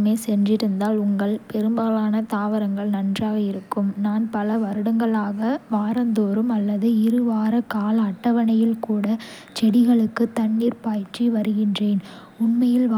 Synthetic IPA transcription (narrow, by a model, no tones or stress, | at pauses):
meːsɛndrɪɾɯnd̪aːlʊŋɡɐɭpɛɾɯmbaːlaːnɐt̪aːʋɐɾɐŋɡɐɭnɐndraːɣɐɪɾɯkːɯmnaːnpɐlɐʋɐɾɯɽɐŋɡɐɭaːɣɐʋaːɾɐnd̪oːɾɯmɐlːɐðɯɪɾɯʋaːɾɐkaːlɐʈːɐʋɐnɐjɪlkuːɽɐ | t͡ʃɛɽɪɣɐɭɯkːɯt̪ɐɳːiːɾpaːjt͡ʃiʋɐɾɯɣɪndreːn | ʊɳmɐjɪl